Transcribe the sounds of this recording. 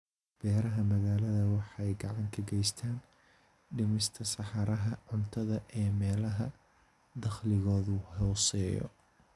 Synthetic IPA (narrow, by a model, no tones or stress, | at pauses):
b̥ɛːɾɐɦɐmɐɣaːlɐðɐwɑħɑjɡɑʕɑŋkʰɐɡɛjst̪ʰaːn | ɖɪmɪst̪ʰɐsɑħɑɾɐɦɐʕʊnt̪ʰɐðɐʔɛːmɛːlɐɦɐ | d̪ɐχlɪɣɔːðʊhɔːsɛːjɔ̰